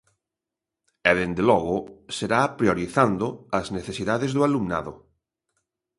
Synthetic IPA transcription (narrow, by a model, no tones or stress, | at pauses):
ɛðend̪elɔɣ̞ʊseɾapɾjoɾiθand̪oazneθesiðaðezðoalumna̰ðo